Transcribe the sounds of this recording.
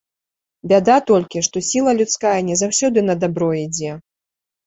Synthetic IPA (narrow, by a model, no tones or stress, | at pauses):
bʲad̪at̪ɔlʲkʲiʂt̪ɔsʲilˠɐlʲut̪skajɐnʲɛzawsʲɔd̪ɨnɐd̪abɾɔid͡zʲɛ